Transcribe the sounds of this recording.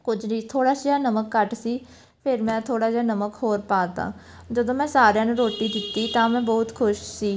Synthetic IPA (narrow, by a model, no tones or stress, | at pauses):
kʊd͡ʒniːt̪ʰoːɽaːsaːnəməkːəʈsiː | pʰɪɾmɛ̃ːt̪ʰoːɽaːd͡ʒaːnəməkhoːɾpaːt̪ã̰ː | d͡ʒəd̪õːmɛ̃ːsaːɾjãːnũːɾoːʈiːd̪ɪt̪ːiːt̪ãːmɛ̃ːbɔːt̪kʰʊʃsiː